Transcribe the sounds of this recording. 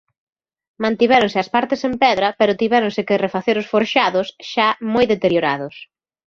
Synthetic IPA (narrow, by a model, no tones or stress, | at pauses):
mãnt̪iβɛɾʊŋsɪɐspaɾt̪esempɛðɾɐpɛɾʊt̪iβɛɾʊŋsɪkɪrefaθeɾʊsfoɾʃaðʊsʃamojðet̪eɾjoɾaðʊs